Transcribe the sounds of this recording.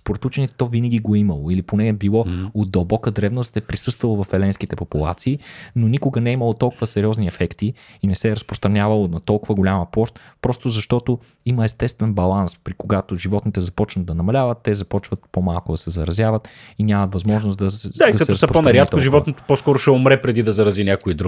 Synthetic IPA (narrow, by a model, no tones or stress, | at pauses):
spoɾɛt̪ut͡ʃɛnʲɛt̪ɔvinəɡ̟ʲiɡoiməlˠoiliponɛɛbilˠɔod̪̚d̪ɐlˠbɔkəd̪ɾɛvnost̪ɛpɾisɤst̪vɐlˠovɐfɛlɛnskit̪ɛpopulˠa̰t̪siːnonʲikʊɡənɛiməlˠot̪ɔlˠkʊvəsɛɾʲiɔzniɛfɛkt̪iinɛsɛːɾəspɾost̪ɾɐnʲavɐlˠonɐt̪ɔlˠkʊvəɡolʲamɐpɔʃt̪pɾɔst̪ozɐʃt̪ɔt̪o | iməɛst̪ɛst̪vɛnbɐlˠanspɾikoɡat̪oʒivɔt̪nit̪ɛzɐpɔt͡ʃnɐd̪ɐnɐmɐlʲavət̪ːɛzɐpɔt͡ʃvət̪pomalˠkʊd̪ɐsɛzɐɾɐzʲjavət̪ | inʲamɐt̪vɐzmɔʒnosd̪ɐd̪aid̪ɐkɐt̪ɛɾɐsɛpɾponɐɾjat̪k̪ʊʒivɔt̪nit̪o̥poskɔɾʊʃɛomɾɛpɾɛd̪id̪ɐzɐɾɐzinʲakoid̪ɾuɡ